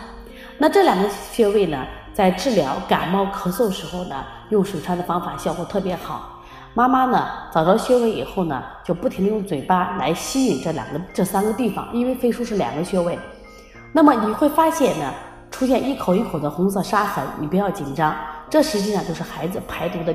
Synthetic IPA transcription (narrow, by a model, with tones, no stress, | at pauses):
na˥˧ʈ͡ʂɤ˥˩ljɑ˨˩ŋɡə˧˦ɕɥɛ˥we˥˩ɪnə˩ | t͡sa˥˧ɪʈ͡ʂɻ̩˥˩ljɑ˧˥ʊka̰˨˩nmɑ˥˩ʊkʰɤ˧˥swɔ˥˩d̪ə˩ʂɻ̩˧˥xo˥˩ʊnə̰˩ | jʊ˥˩ŋʂu˨˩ʈ͡ʂʰa˧˥d̪ə˨˩fɑ˥ŋfa˨˩ɕjʊkwɔ˨˧˥t̪ʰɤ˥˩pjɛ˧˥xɑ˨˩˦ʊ | ma˥ma˥nə˨t͡sɑ˨˩ʊt̪ɑ˥˩ʊɕɥɛ˥we˥˩ɪḭ˨˩xo˥˩ʊnə̰˩t͡ɕjo˥˧ʊpu˥˩i˧˥ŋd̪ə˧jʊ˥˩ŋt͡swe˨˩ɪpa˥la˧˥ɪɕi˥y˥˩nʈ͡ʂɤ˥˩ljɑ̰˨˩ŋɡə˧˦ʈ͡ʂɤ˥˧sa˥nɡə˨t̪i˥˩fɑ̰˨˩ŋi˥nwe˥˩ɪfe˥ɪʂu˥ʂɻ̩˥˩ljɑ̰˨˩ŋɡə˦ɕɥɛ˥we˥˩ɪ | na˥˩mə˩ni˨˩xwe˥˩ɪfa˥ɕjɛ˥˩nnə˩ | ʈ͡ʂʰu˥ɕjɛ˥˧ni˥˩kʰo˨˩ʊi˥˩kʰo˨˩ʊd̪ə˦xʊ˧˥ŋsɤ˥˧ʂa˥xə˧˥nḭ˨˩pu˧˥jɑ˥˩ʊt͡ɕi˨˩nʈ͡ʂɑ˥ŋʈ͡ʂɤ˥˩ʂɻ̩˧˥t͡ɕi˥˧ʂŋt͡ɕjo˥˧ʊʂɻ̩˥˩xa˧˥ɪd͡zɹ̩˧pʰa˧˥ɪt̪u˧˥d̪ə˧